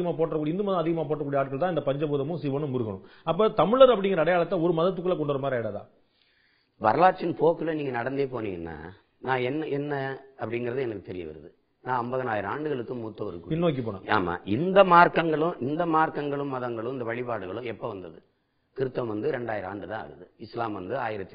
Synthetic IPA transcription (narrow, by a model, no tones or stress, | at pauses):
ɐmaːpoːʈːrɐkuːɽiɪnd̪ɯmɐðɐ̃ɐðɪɣɐmaːp̬oːʈrɐkːuɽijɐaːʈkɐɭt̪ãːɪnd̪ɐpɐɲd͡ʒɐpuːðɐmɯ̃siʋɐnɯ̃mːʊɾɯɣɐɳʊ̰̃ɐp̬ːɐːt̪ɐmɪɭɐɾɐpːɐɽɪ̃ŋɡɪɾɐːɽɐjaːɭɐt̪ːɐɔɾɯmɐðɐt̪̬ːɯkːɯɭlɐk̬ɔɳɖɐɾɐmaːɾɐɛɽaða̰ː | ʋɐ̰ɾɐlaːʈ̚t͡ʃːɪnpoːkɯlɐniːŋɡɐnɐɽɐnd̪eːpoːnḭːŋɡɐnːa̰ː | nãːɛnːɐʔɛnːɐɐpːɐɽɪŋɡɪɾɐðɯɛnɐkːɯt̪ɛɾɪjɐ̰ʋɐ̰ɾɐðɯ | nãːɐmbɐɣɐnaːjɪɾɐaːɳɖɯɣɐɭɯkːɯmːuːt̪ːɐ̃ʋɪɾɯkːɯpɪnːoːk̬ːipoːnã̰ːa̰ːma̰ːʔɪnd̪ɐmaːɾkɐŋɡɐɭʊ̃ʔɪnd̪ɐmaːɾkɐŋɡɐɭɯ̃mːɐðɐŋɡɐɭɯ̃ɪnd̪ɐʋɐɻɪpaːɽɯɣɐɭɯ̃ɛpːoʋɐnd̪ɐðɯ | kɪɾɯt̪ːɐmʋɐnd̪ɯɾɛɳɖaːjɪɾa̰ːɳɖɯt̪ãːa̰ɣɐðɯɪslaːmʋɐnd̪ɯaːjɪɾɐt̪ːi